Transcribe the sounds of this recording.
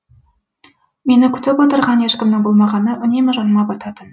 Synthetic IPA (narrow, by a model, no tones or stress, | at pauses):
me̞nɪkʲʰʏ̥t̪ɪpwot̪əɾʁɑnjeʃkʲɪmnɪŋbolˠmɑʁɑnːəʔɵ̆nemɪʒɑnmɑpɑt̪ɑt̪ən